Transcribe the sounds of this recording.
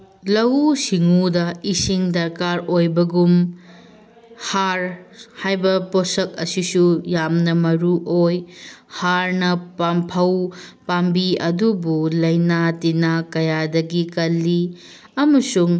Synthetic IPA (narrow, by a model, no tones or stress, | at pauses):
lɐwusiŋudɐisiŋdɐɾkaɾojbɐɡum | haɾhajbɐposɐk̚ɐsisujamnɐmɐɾuʔojhaɾnɐpampʰɐwpambiɐdubulɐjnatinakɐjadɐɡikɐlːi | ɐmɐsuŋ